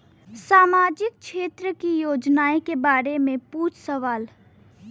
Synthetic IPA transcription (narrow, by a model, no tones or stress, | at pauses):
saːmaːd͡ʒɪk̚ʃeːt̪ɾəkijoːd͡ʒnaːekebaːɾemẽpuːt͡ʃʰsəʋaːl